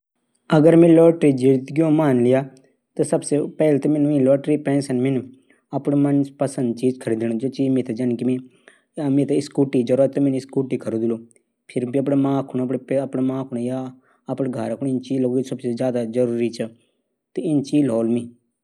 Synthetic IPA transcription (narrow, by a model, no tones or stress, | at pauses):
əɡəɾmẽːloːʈɾiːd͡ʒiɾt̪ɡjõːmaːnlɪjaː | t̪esəbseːpɛːlet̪emeːnũːĩloːʈɾiːpɛ̃ːnsənmẽnũ | əpɳːmənspəsə̃nd̪̚t͡ʃiːd͡ʒkʰəɾiːd̪eːñõːd͡ʒeːt͡ʃiːmẽːt̪ed͡ʒənkimĩː | mẽːt̪eɪskuːʈiːd͡ʒəɾat̪omẽnɪskuːʈiːkʰəɾoːd̪ɪloː | pʰɪɾbiəp̬ɽeːmãːkʰʊñəpɽeəpɽemãːkʰʊɽ̃jaː | əpɽeɡʱəɾəkʰʊnɪnt͡ʃiːloːɡisəbseːzjaːd̪aːd͡ʒəɾuːɾiːt͡ʃʰə | t̪eɪnt͡ʃiːlɦoːlmĩː